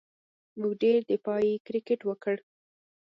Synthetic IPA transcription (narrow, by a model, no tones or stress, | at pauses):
muwɖeɾd̪əpɑjekɾɪkeʈwəkəɽ